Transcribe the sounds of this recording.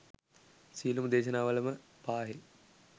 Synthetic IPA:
siːlumud̪eːʃɐnaːʋələmə | paːɦe

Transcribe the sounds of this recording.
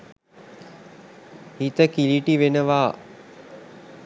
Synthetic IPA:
hit̪əkiliʈiʋenəʋaː

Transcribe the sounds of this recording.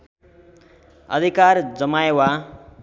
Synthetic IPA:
ʌ̰d̪ʱikard͡zʌmajewa

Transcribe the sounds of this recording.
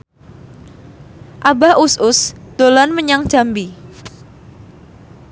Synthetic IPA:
ʔabaʔʊsʊsd̪̥olanməɲaŋd͡ʒ̥ambi

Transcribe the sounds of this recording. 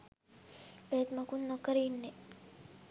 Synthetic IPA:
ʋeːt̪mɐkunːokəɾiːnːe

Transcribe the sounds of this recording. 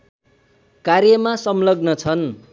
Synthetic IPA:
karjʌmasʌmlʌɡnʌt͡sʰʌn

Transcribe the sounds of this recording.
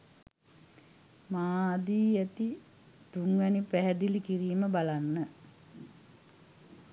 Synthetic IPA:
maːd̪iːæt̪i | t̪uŋʋɛnipæɦɛd̪ilikiɾiːməbalanːə

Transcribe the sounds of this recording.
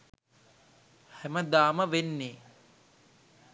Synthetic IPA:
hæməd̪aːməʋenːeː

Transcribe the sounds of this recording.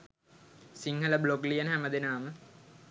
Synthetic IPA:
siŋɦələbloklijənɦæməd̪enaːmə

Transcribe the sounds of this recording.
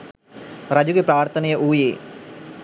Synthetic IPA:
ɾad͡ʒuɡepɾaːrt̪ʰənejəʔuːjeː

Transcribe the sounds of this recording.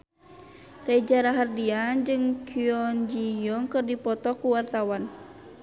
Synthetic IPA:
rɛd͡ʒaɾaɦardiad͡ʒɨŋkʰiɔnd͡ʒijɔŋkɨrdipɔt̪ɔkuwart̪awan

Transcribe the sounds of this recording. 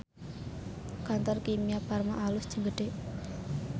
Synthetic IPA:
kant̪ɔrkimijaparmaʔalusd͡ʒəŋɡəɖe

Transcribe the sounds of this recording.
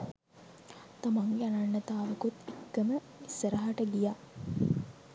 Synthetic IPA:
t̪amaŋɡeananːət̪aːʋəkut̪ikːəmə | isəɾaɦaʈəɡija

